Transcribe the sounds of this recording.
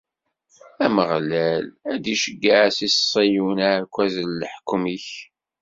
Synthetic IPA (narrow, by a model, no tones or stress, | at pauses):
æməʁlælæd̪iʃəɡːaʕsissˤːijunækʷːæzəlːəħkmiç